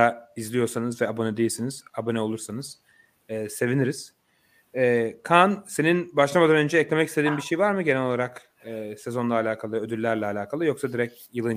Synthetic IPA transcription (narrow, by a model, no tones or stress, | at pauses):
aizlʲijo̞ɾsanɯzvɛabo̞nɛd̪ejilʲsiniz̥abo̞nɛolˠuɾsanɯz̥ː | se̞viniɾiz̥ | ɛːkʰanse̞ninbaʃlˠamad̪anønd͡ʒɛːclʲe̞mɛcist̪e̞d̪iːnbiɾʃejvaɾmɯɟenɛlʲo̞lˠaɾakː | se̞zo̞nlˠaːlʲaːkʰalˠɯød̪ylʲːæɾlʲɛalʲaːkʰalˠɯjo̞ksad̪iɾɛc | jɯlˠɯn